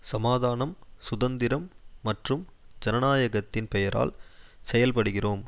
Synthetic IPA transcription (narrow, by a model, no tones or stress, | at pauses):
sɐmaːðaːnɐmsʊðɐnd̪ɪɾɐmːɐʈrɯm | d͡ʒɛnɐnaːjɐɣɐt̪ːɪnpɛjɐɾa̰ːlsɛjɐlpɐɽɯɣɪroːm